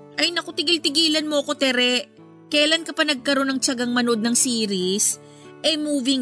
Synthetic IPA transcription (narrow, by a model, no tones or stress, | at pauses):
ʔɐjnɐko̞t̪ɪɡɪlt̪ɪɡiːlɐnmo̞ʔɐko̞t̪ɛɾɛʔ | kɐjlankɐpɐnɐɡ̚kɐɾo̞nɐŋt͡ʃɐɡɐŋmɐno̞d̪̚nɐŋsiːɾis | ʔɛmuːvɪŋ